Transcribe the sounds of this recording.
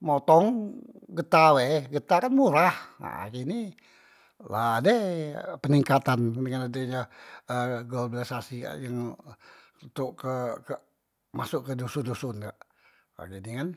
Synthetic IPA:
mɔt̪ɔŋɡət̪aweɡət̪akanmuɾaha̰a̰kini | ladepəniŋkat̪anənikanadəɲaəɡlobləsasia̰jaŋ | ut̪ʊʔkəkə | masʊʔkədusʊndusʊnkaʔ | a̰kinikan

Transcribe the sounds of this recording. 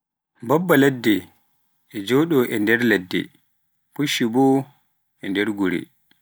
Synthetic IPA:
babːalɛdːɛ | ʔɛd͡ʒɔɗɔʔɛndɛɾlɛdːɛ̰ | puʃːibɔ | ɛndɛɾɡuɾɛ̰

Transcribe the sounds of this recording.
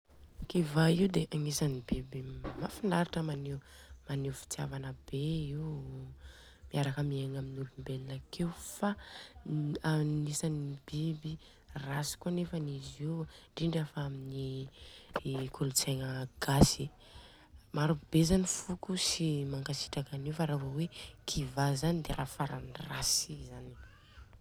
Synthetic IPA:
kivaiwd̪eʔaŋisanibibimafinaɾiʈ͡ʂəmane | manewfi̥t͡siavanəb̥ei | miaɾakəmieŋaminulumbelinakʰewfa | aŋisanibibi | rasi̥kanefəniziwɳɖ͡ʐiɳɖ͡ʐafaamini | kʰulut͡sejŋəɡ̥asi | maɾubezanifukusimaŋkasi̥ʈ͡ʂakaniufaɾavowekʰivazanid̪eɾʔa̰faɾanirasizani̥

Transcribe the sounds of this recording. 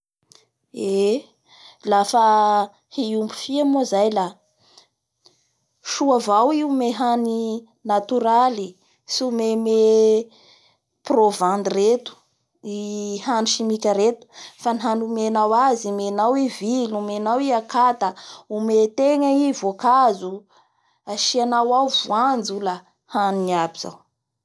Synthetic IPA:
e | lafə | hiumbu̥fiamozajla | ʃuavawiumeɦani | nat̪uɾali | siumeme | provand̪iret̪u̥ | ihaniʃimikʲəɾet̪u̥faniɦanumenawazimenawivilumenawiakat̪əumet̪eŋaivokazu | aʃianawawvuand͡zulə | haniniabiz̥a̰w

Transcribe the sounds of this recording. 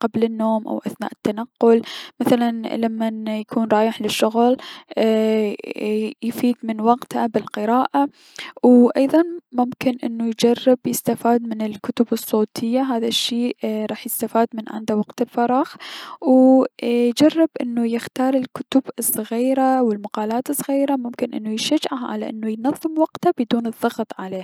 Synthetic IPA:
qablɪnːoːmʔa̰wʔaθna̰ːʔɪt̪ːanaqːʊlmaθalanlamːanjakʰuːnɾˤɑːjɪħlɪʃːʊɣl | jfiːd̪mɪnwɑqt̪habɪlqɨɾaːʔa | wʔɑ̰jðˤɑnmʊmkɪnʔɪ̰nːujd͡ʒarˤːɪbjɪst̪afaːd̪mɪnɪlkʊt̪ʊbɨsˤːoːt̪ʰɪjːaɦaːðaʃːiːʔɾˤɑːħjɪst̪afaːd̪mɪnʕɪ̰nd̪awaqt̪ɪlfɑɾˤɑːxw | d͡ʒɑrˤːɪbʔɪ̰nːujɪxt̪ɑːɾˤɪlkʊt̪ʊbɨsˤːɣiːɾawɪlmaqɑːlaːt̪ɨsˤɣiːɾamʊmkɪnʔɪ̰nːujʃad͡ʒʕaɦaʕa̰la̰ʔɪnːujnɑðˤːɨmwɑqt̪habɪd̪uːnɨðˤːɑɣt̪ˤʕaleː

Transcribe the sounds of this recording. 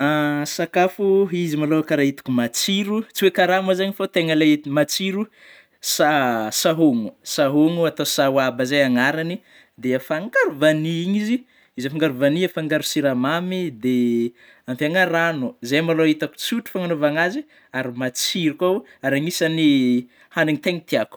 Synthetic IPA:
asakafuizimalokaɾaɦit̪u̥kumat͡siɾut͡siwekaɾamazaɲifot̪eŋəleet̪imat͡siɾu | sasaɦoŋusaɦoŋuat̪osawabazajaŋaɾani | d̪eafaŋɡaɾuvaniɲizi | izafaŋɡaɾuvaniafaŋɡaɾusiɾamamid̪e | ampiaŋaɾanuzajmaloaɦit̪aku̥t͡suʈ͡ʂu̥faŋanovaŋazi | aɾimat͡siɾukauaɾaŋisani | hanaŋit̪eŋit̪iaku̥

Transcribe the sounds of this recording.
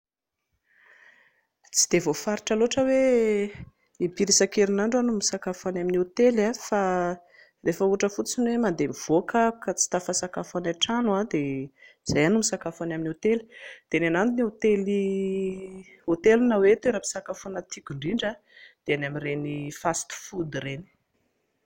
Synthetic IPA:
t͡si̥d̪̥evofaɾiʈ͡ʂəloʈ͡ʂəwe | ipiɾisakeɾinaɳɖ͡ʐanumisakafanaminiot̪elafa | refəuʈ͡ʂəfut͡sinwemand̪emiv̥okʰakat͡si̥t̪afasakafanaʈ͡ʂanad̪eiz̥ajanumisakafanaminiot̪eli̥d̪̥enanand̪iniot̪eli | ot̪elinəwet̪eɾamisakafonət̪ʰikʲuɳɖ͡ʐiɳɖ͡ʐa | d̪̥eanamirenifasi̥t̪u̥fud̪iɾeni̥

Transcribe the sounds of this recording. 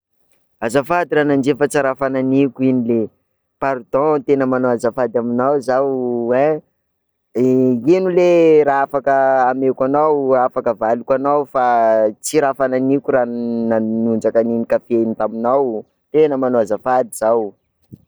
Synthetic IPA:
azafad̪iɾaːnand͡ʒefat͡siɾafananikʲuinile | paɾd̪ɔ̃t̪enəmanoazafad̪aminawzawɛ̃ | inuleɾaafakəamekʲanawafakəvalikʲanawfat͡siɾafananikʲurananund͡ʒakaninikafeinit̪aminaw | t̪enəmanoazafad̪iz̥aw

